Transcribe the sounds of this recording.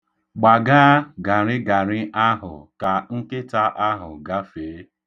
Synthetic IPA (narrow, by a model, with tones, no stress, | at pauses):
ɡ͡ba˨ɡaː˦ɡa˨ɾɪ˦ɡa˨ɾɪ˦ʔa˦ɦʊ̰˨ka˨ŋ̩˦kɪ˦ta˦ʔa˦ɦʊ̰˨ɡa˦feː˨˦